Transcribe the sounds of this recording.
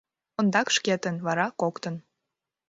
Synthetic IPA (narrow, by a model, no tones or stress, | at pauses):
ŏnd̪ɑkʃket̪ənβɑɾɑkokt̪ən